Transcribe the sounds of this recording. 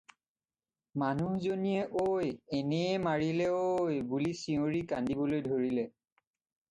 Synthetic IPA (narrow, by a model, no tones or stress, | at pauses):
manuhzonijɛʔojɛnɛɛmaɹilɛojbulisioɹikandibɔlojdʱoɹilɛ